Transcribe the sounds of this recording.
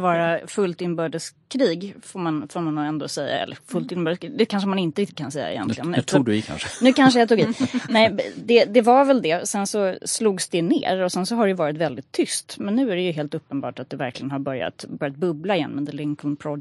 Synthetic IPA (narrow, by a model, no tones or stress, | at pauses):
vɑːɾafɵlt̪ɪnbœːɖəskʰɾiːɡfoɾmanfɔmanːɛnd̪o̰ːsɛjːa̰ɛ̰lːəɾfɵlt̪ɪnbœːɖəsd̪ɛkʰanʂəmanɪnt̪əɾɪk̚t̪ɪ̥t̪̚kʰansɛjːa̰ɪ̰jɛ̰nlɪɡənʰuːɡdɪkʰa̰nʂənʉkʰanʂ̬əjat̪uːɡiːnɛɪd̪ɛd̪ɛvaɾvɛld̪ɛsɛnsɔsluːɡsd̪ɛnḛːɾɔsɛnsɔɦaɖɛjɵvɑːɾɪt̪vɛld̪ɪt̪ʰːʏst̪mɛnːʉ̟ːæɾɛjɵɦeːl̪t̪ɵpːənbɑ̰ːʈat̪̚d̪ɛvæɾklɪɡənɦaɾbœɾja̰t̪bœɾjat̪̚bɵblaɪjɛ̰nmɛ̰nd̪ɛlɪŋkɔnpʰɾɔ